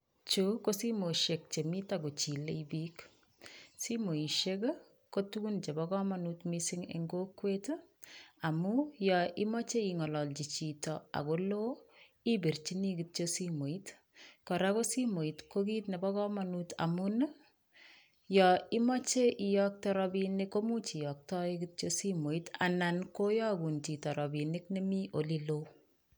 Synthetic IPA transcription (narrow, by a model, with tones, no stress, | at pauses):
t͡ʃu˦ko˦si˦mo˨ʃe˨k̚t͡ʃe˨mi˦ta˦ko˨t͡ʃi˨le˦ibi˦k | si˦mo˨i˨ʃe˦k | ko˦tu˦ɡu˦nt͡ʃe˨bɔkɔ˦ma˨nu˦tmisi˦ŋḛŋɡo˦kːwe˦t | a˨mujɔ˨i˦mɔ˦t͡ʃe˦i˨ŋɔ˨lɔ˨ld͡ʒi˨t͡ʃi˨tɔ˨a̰˨ko˦lo˦ | i˦be˨rt͡ʃi˦ni˦ki˨t̚t͡ʃosi˦mo˨it | kɔ˨ɾa˦ko˦si˦mo˨i˨tko˦ki˦tnɛ˨bɔ˦kɔ˦manuta̰˨mun | jɔi˦mɔ˦t͡ʃe˦ʔi˨jɔk̚tɔɾɔbinɪ˦kːo˦mu˦t͡ʃi˨jɔ˨k̚tɔ˦ikit̚t͡ʃosi˦mo˨ita̰˨na˨nko˦jɔ˦ku˨nti˨tɔ˨ɾɔ˨bi˨nɪ˦kne˦mi˦ʔo˨li˦lo˦